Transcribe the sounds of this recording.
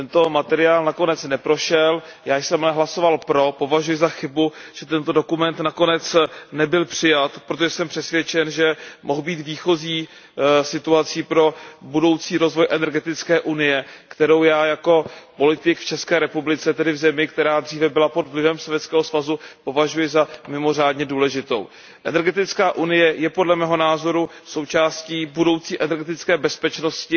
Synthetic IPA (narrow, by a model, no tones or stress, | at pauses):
t̪ɛnt̪o̞mat̪ɛɾɪaːlnako̞nɛt͡snɛpɾo̞ʃɛljaːjsɛmalɛɦlaso̞valpɾo̞po̞vaʒujɪzaxɪbuʒ̥ɛt̪ɛnt̪o̞do̞kumɛnt̪nakonɛt͡snɛbɪlpr̥ɪjat̪pɾot̪̬oʒɛsɛmpr̝̥ɛsvjɛt͡ʃɛnʒɛmʔo̞ɦbiːt̪viːxo̞ziː | sɪt̪uat͡siːpɾo̞budo̞wt͡siːɾo̞zvo̞jʔɛnɛɾɡɛt̪ɪt͡skɛːʔunɪjɛkt̪ɛɾowjaːjako̞po̞lɪt̪ɪkft͡ʃɛskɛːɾɛpublɪt͡sɛt̪ɛdɪvzɛmɪkt̪ɛɾaːd̪r̝iːvɛbɪlapo̞d̪vlɪvɛmsovjɛt̪t͡skɛːɦosvazupo̞vaʒujɪzamɪmo̞r̝aːdɲɛduːlɛʒɪt̪o̞̰w | ʔɛ̰nɛɾɡɛt̪ɪt͡skaːʔunɪjɛjɛpodlɛmɛːɦo̞naːzo̞ɾu | so̞wt͡ʃaːsciːbudo̞wt͡siːʔɛnɛɾɡɛt̪ɪt͡skɛːbɛspɛt͡ʃno̞scɪ